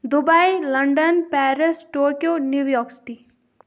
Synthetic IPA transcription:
d̪ʊbailɐɳɖənpɛːɾɪsʈoːkijoːnjuːʋjɔːksɪ̥ʈi

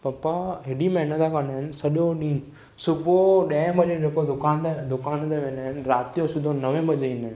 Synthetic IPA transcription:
pɐpaɦɪɽimẽɪnə̃t̪ʰakɐnd̪aːɦɪnɪsɐɗõɗĩː | sʊbʱoɗɐ̃bɐd͡ʒed͡ʑekod̪ʊkaːnt̪ed̪ʊkaːnt̪eʋẽːnaːɪnɪ̆ɾaːt̪iõsʊd̪ʱonɐʋẽɓɐd͡ʒeĩːnd̪aːɦɪ̃n

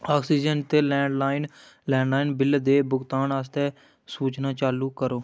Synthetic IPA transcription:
aːksiːd͡ʒəɳʈt̪eːlɛ̃ːɳɖlaːɪnlɛ̃ːɳɖlaːinbɪld̪eːbʊɡt̪aːnas̬t̪ɛː | suːt͡ʃnãːt͡ʃaːluːkəɾoː

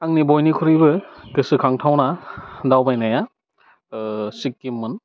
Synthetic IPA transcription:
aŋnibɔjnikʰɔɾibɯkɯsɯkʰaŋtʰawnadawbajnaja | sikːimːɯn

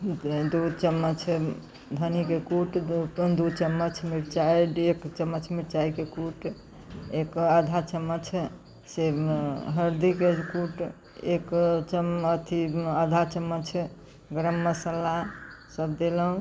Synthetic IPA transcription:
d̪ut͡ʃəmːət͡ʃʰ | d̪ʱənikekuʈd̪ut͡ʃəmːət͡ʃʰmiɾt͡ʃaiɖekt͡ʃəmːət͡ʃʰmiɾt͡ʃaikekuʈ | ekad̪ʱat͡ʃəmːət͡ʃʰ | seɦəɾd̪ikekuʈ | ekt͡ʃəmət̪ʰiad̪ʱat͡ʃəmːət͡ʃʰ | ɡɾəmːəsəlasəb̚d̪eləɦũ

